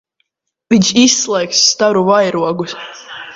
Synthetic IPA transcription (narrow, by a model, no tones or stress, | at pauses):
viɲʲʃisːlˠɛjksːt̪aɾuvajɾuɔɡus